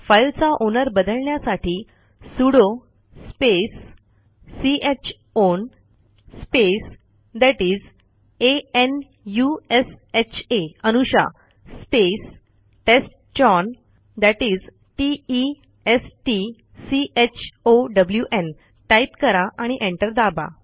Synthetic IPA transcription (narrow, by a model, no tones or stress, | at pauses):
fajlt͡saʔonəɾbəd̪əlɳjasaʈʰiː | suɽo | spesː | iet͡ɕ | on | spes | d̪æʈiːd͡z | een | jueset͡ɕʰeənuɕa̰ | spes | ʈesʈ | t͡ɕɔn | d̪æʈiːd͡z | ʈiː | esʈi | siʔet͡ɕʰoɖəbljuʔen | ʈajpkəɾaʔaɽ̃iʔẽɳʈəɾd̪aba̰